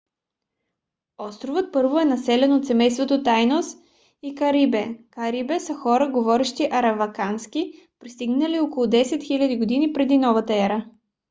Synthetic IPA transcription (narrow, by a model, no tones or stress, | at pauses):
ɔst̪ɾovət̪̚pɤɾvoɛnɐsɛlɛnot̪sɛmɛjst̪vot̪ot̪ajnos | ikɐɾibɛkɐɾibɛsəxɔɾəɡovɔɾɛʃt̪iʔɐɾɐvɐkanski | pɾist̪iɡnəliokolˠʊd̪ɛsɛt̪xilʲɐd̪iɡod̪inipɾɛd̪inɔvɐt̪əɛɾə